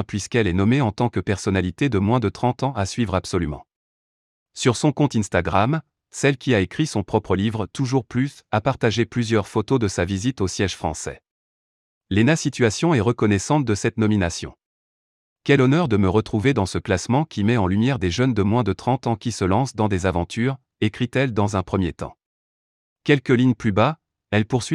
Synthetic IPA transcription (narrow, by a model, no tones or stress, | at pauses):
pɥiskɛlɛnɔmeɑ̃t̪ɑ̃kəpɛʁsɔnalit̪ed̪əmwɛ̃d̪ət̪χɑ̃t̪ɑ̃asɥivʁabsɔlymɑ̰̃ | syʁsɔ̃kɔ̃t̪ɛ̃nst̪aɡʁam | sɛlkʲiaekχisɔ̃pχɔpχəlivʁt̪uʒuʁplysapaʁt̪aʒeplyzjœʁfot̪od̪əsavizit̪osjɛʒfχɑ̰̃sɛ̰ | lenasit̪ɥasjɔ̃ɛʁəkɔnɛsɑ̃t̪̚d̪əsɛt̪nɔminasjɔ̰̃ | kʲɛlɔnœʁd̪əməʁət̪χuved̪ɑ̃səklasmɑ̃kʲimɛɑ̃lymjɛʁd̪eʒənd̪əmwɛ̃d̪ət̪χɑ̃t̪ɑ̃kʲisəlɑ̃sd̪ɑ̃d̪ezavɑ̃t̪ʰyʁ | ekχit̪ɛld̪ɑ̃zɛ̃pχəmjet̪ɑ̰̃ | kʲɛlkəliɲplyba | ɛlpuʁsɥi